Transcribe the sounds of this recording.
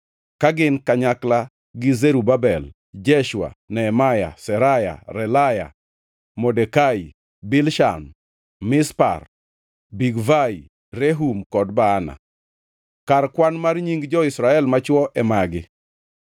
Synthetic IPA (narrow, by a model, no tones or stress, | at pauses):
kaɡɪnkaɲakla | ɡɪzeɾubabɛl | d͡ʒɛʃwa̰nɛːmaja̰sɛɾaja̰ɾɛlaja̰ | mɔdɛkai | bɪlʃan | mɪspa̰r | biɡvai | reɦumkɔdbaːna̰ | karkwanmarɲiŋɡd͡ʒɔisɾaɛlmat͡ʃwɔʔɛmaɡɪ